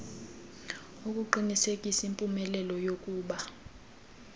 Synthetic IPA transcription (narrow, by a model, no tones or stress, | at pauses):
ukʼuǃinisekʼisaimpʼumɛlɛlɔjokʼuːɓa